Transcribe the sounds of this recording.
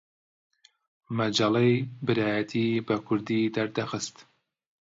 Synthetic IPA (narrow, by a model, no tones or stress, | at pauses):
mɐd͡ʒalɛjbɨɾaːjɛt̪ʰiːbɨkʰʊɾd̪iːd̪ɐɾd̪ɐxɨst̪